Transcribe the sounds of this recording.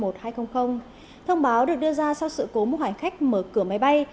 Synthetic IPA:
mo˨˩t̚haː˧jxə˧wŋ͡mxə˧wŋ͡m | t̪ʰə˧wŋ͡mɓaː˨˦wɗɨ˨˩ək̚ɗɨ˧əzaː˧sa˧wsɨ̰˧˨ko˨˦mu˧haː˧˩ŋ̟xa˦˥jk̟̚məː˧˩kɨ˧˩əma˨˦jɓa˧j

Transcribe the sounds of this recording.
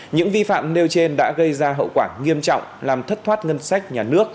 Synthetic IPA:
ɲɨ̰˧˥ŋvi˧fa̰ː˧˨mne˧wt͡ɕe˧nɗa̰ː˧˥ɣə˧jzaː˧ɦə̰˧˨wkwaː˧˩ŋi˧əmt͡ɕɔ̰˧˨wŋ͡mlaː˨˩mt̪ʰə˦˥t̚t̪ʰwaː˦˥t̚ŋə˧nsa˦˥jk̟̚ɲaː˨˩nɨ˦˥ək̚

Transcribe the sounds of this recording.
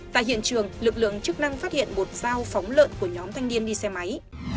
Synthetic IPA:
t̪a̰ː˧˨jɦḭ˧˨ənt͡ɕɨ˨˩əŋlɨ˨˩k̚lɨ̰˧˨əŋt͡ɕɨ˦˥ək̚na˧ŋfaː˦˥t̚hḭ˧˨ənmo˨˩t̚z̥aː˧wfa˨˦wŋ͡mlə̰ː˧˨nku˧˩əɲɔ˨˦mt̪ʰa˧jŋni˧ənɗi˧sɛ˧ma˨˦j

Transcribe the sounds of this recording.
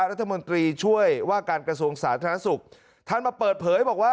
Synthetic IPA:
ɾa˦˥t̪ʰːa˧mo˧nt̪ɾiː˧t͡ɕʰu˥˩əjwaː˥˩kaː˧nkɾa˧su˧əŋsaː˩˦t̪ʰa˧ɾn˦a˥su˨˩k̚ | t̪ʰa˥˩nmaː˧pɤː˨˩t̪̚pʰɤː˩˦jbɔː˨˩k̚waː˥˩

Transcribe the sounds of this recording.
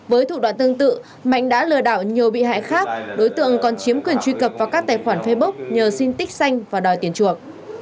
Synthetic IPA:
vəː˨˦jt̪ʰṵ˧˨ɗwa̰ː˧˨nt̪ɨ˧əŋt̪ɨ̰˧˨ | ma̰˧˨jŋ̟ɗa̰ː˧˥lɨ˨˩əɗaː˧˩wɲi˨˩əwɓḭ˧˨ɦa̰ː˧˨jxaː˦˥k̚ɗo˨˦jt̪ɨ̰˧˨əŋkɔ˨˩nt͡ɕi˨˦əmkwi˨˩ənt͡ɕwi˧kə˨˩p̚vaː˨˩kaː˦˥k̚t̪aː˨˩jxwaː˧˩nfe˧ɓə˦˥k͡p̚ɲəː˨˩si˧nt̪ï˦˥k̟̚sa˧jŋ̟vaː˨˩ɗɔ˨˩jt̪i˧˩ənt͡ɕu˨˩ək̚

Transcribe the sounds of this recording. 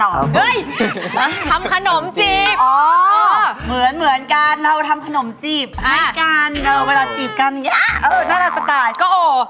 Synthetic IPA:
t̪ɔː˨˩ɯ˦˥˩jʔ̪ːʰa˧mkʰa˧no˩˦mt͡ɕi˩˨˩pʔɔː˨˩˦ | mɯ˩˦ənmɯ˩˦ənkaː˧nɾa˧wt̪ʰa˧mkʰa˧no˩˦mt͡ɕiː˨˩p̚ha˦˥˩kaː˧naː˧wwe˧laː˧t͡ɕiː˨˩p̚ka˧n˨˩ŋi˦˥ʔɤː˧˩naː˥˩ɾa˧˩t͡ɕa˨˩t̪aː˧jkɔː˥˩ʔoː˧˩

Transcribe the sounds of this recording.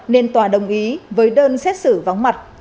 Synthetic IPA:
ne˧nt̪waː˨˩ɗə˨˩wŋ͡mʔi˨˦vəː˨˦jɗəː˧nsɛ˦˥t̚sɨ˧˩va˨˦wŋ͡mma˨˩t̚

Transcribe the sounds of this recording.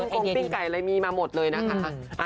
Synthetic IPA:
ŋkʰo˧i˥˩ŋka˨˩jʔa˧ɾa˧jmiː˧maː˧mo˨˩t̪̚lɤː˧jna˦˥kʰa˦˥kʰa˦˥ʔa˧

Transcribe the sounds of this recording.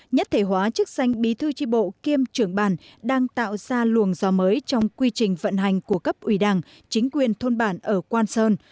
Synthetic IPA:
ɲə˦˥t̚t̪ʰe˧˩ɦwaː˨˦t͡ɕɨ˦˥k̚sa˧jŋ̟ɓi˨˦t̪ʰɨ˧t͡ɕi˧ɓo̰˧˨ki˧əmt͡ɕɨ˧˩əŋɓaː˧˩nɗaː˧ŋt̪a̰ː˧˨wz̥aː˧lu˨˩əŋzɔ˨˦məː˨˦jt͡ɕɔ˧wŋ͡mkwi˧t͡ɕï˨˩ŋ̟və̰˧˨nɦa˨˩jŋ̟ku˧˩əkə˦˥p̚ʔwi˧˩ɗaː˧˩ŋ | t͡ɕï˨˦ŋ̟kwi˨˩ənt̪ʰo˧nɓaː˧˩nʔəː˧˩kwaː˧nsəː˧n

